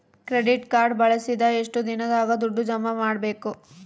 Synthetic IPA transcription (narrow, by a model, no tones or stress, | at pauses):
kɾeɖiʈkaːɾɖbɐɭɐsid̪ɐeʂʈud̪inɐd̪aːɡɐd̪uɖːud͡ʒɐmːɐmaːɽbe̞ːku